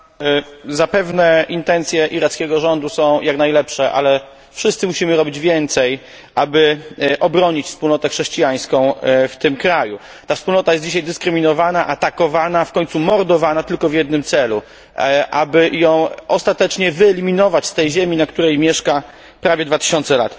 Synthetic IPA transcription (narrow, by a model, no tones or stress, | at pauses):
zapɛvnɛint̪ɛnt̪sʲjɛʔiɾat̪skʲɛɡɔʐɔnd̪usɔ̃w̃jaknajlɛpʂɛʔa̰lɛ | fʂɘst̪sɘmuɕimɘɾɔbʲid͡ʑvʲjɛnt̪sɛj | ʔabɘʔɔbɾɔɲit͡ɕfspulnɔt̪ɛxʂɛɕt͡ɕijaj̃skɔ̃w̃ft̪ɘmkɾaju | t̪afspulnɔt̪ajɛsd͡ʑiɕajd̪ɘskɾɘmʲinɔvanaʔat̪akɔvanafkɔɲʲt̪sumɔɾd̪ɔvanat̪ɘlkɔvʲjɛd̪̚nɘmt̪sɛlu | ʔabɘjɔ̃w̃ʔɔst̪at̪ɛt͡ʂɲɛvɘɛlʲimʲinɔvat͡ɕst̪ɛjʑɛmʲinakt̪uɾɛjmʲjɛʂka | pɾavʲjɛd̪vat̪ɘ̥ɕɔnt̪sɛlat̪